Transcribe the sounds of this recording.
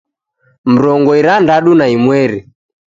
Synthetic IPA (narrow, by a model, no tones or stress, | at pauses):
m̩ɾɔŋɡɔiɾandaɗunaimwɛɾi